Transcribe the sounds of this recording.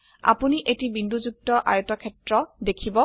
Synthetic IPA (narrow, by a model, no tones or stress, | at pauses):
a̰puniʔetibinduzuk̚tɔʔa̰jtɔkʰɛtɹɔdekʰibɔ